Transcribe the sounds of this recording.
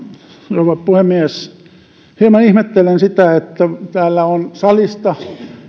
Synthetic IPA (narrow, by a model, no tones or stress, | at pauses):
ouʋɑpuhemmies | hiemɑnihmet̪ːelensit̪æet̪ːæt̪æːlːæonsɑlist̪ɑ